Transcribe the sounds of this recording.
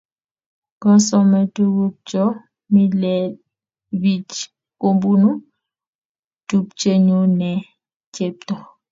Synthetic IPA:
ɡɔ˦sɔ˦mɛ˨tu˦ɡu˦p̚t͡ʃɔ˦ | mi˦lɛ˨ | bi˨t͡ʃ | ko˦mbu˦nu˦ | tu˦p̚t͡ʃe˦ɲo˦nɛ˨ | t͡ʃe˦p̚tɔ˨

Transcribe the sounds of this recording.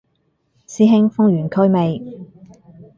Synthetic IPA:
siː˥ɦɪ˥ŋfʊ˥ŋjyː˨˩nkʰɵ˥ɥme˨˧j

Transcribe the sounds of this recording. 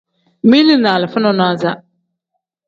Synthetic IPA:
mi˦li˦naː˨lɪ˨fʊ˦nɔ˦na˦za˦

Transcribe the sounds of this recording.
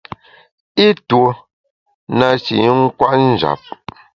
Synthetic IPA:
i˦two˨ | na˨t͡ʃi˨ŋ̩˦kwa˦ʔn̩˦˨d͡ʒa̰˨p̚

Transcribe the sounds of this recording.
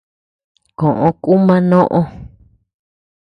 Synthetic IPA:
kõ˨ʔõ˧ku˦mã˦nõ˦ʔõ˧

